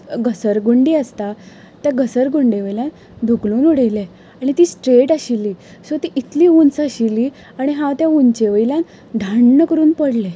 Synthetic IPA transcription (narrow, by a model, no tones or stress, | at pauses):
ɡəsəɾɡuɳɖiːəst̪a | t̪jaɡəsəɾɡuɳɖeʋəjljãn | d̪ʱukluːnuɽejle | aɽ̃it̪iːsʈɾeʈaɕilːiːsot̪iʔit̪liːunt͡saɕilːi | aɽ̃iɦãt̪jaunt͡ɕeʋəjljãn | d̪ʱaɳːəkəɾuːnpəɽle